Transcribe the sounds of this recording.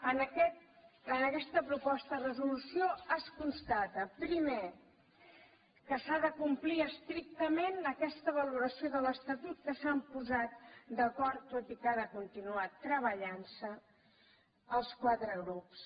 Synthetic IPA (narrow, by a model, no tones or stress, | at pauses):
ənəkɛt̪̚ənəkɛst̪əpɾupɔst̪əðrəzulusioəskunst̪at̪əpɾime | kəsaðəkumpliəst̪ɾik̚t̪əmenəkɛst̪əβ̞əluɾəsioðələst̪ət̪ut̪̚kəsampuzat̪̚d̪əkɔɾt̪ːot̪ikaðəkunt̪inuat̪ːɾəβ̞əʎansə | əlˠskwat̪ɾəɣ̞ɾups